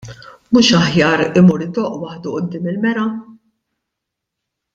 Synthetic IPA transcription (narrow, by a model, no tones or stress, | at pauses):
muːʃɐħjɐːɾɪmuːɾɪd̪ɔːʔwɐħd̪uʔʊd̪ːɪːmɪlmɛɾɐ